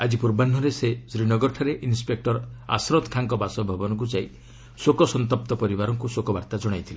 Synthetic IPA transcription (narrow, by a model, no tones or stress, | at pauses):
ad͡ʒipuɾban̤ːɔɾesesɾinɔɡɔɾʈʰaɾeʔinspek̚ʈɔɾa̰sɾɔt̪kʰaŋkɔbasɔbʱabɔnɔŋk̬ut͡ʃaj | sokɔsɔnt̪ɔp̚t̪ɔpɔɾibaɾɔŋkusokɔbaɾt̪ad͡ʒɔɽ̃ajt̪ʰile